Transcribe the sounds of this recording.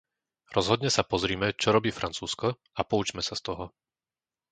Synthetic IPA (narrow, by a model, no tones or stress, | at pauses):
ɾɔzɦɔd̪ɲɛsapɔzɾiːmɛt͡ʃɔɾɔbiːfɾʔant͡suːskɔ | apɔut͡ʃmɛsast̪ɔɦɔ